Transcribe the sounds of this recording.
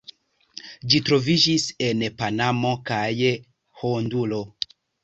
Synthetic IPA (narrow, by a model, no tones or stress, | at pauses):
d͡ʒitɾo̞vid͡ʒise̞npanamo̞kaj | hondulo̞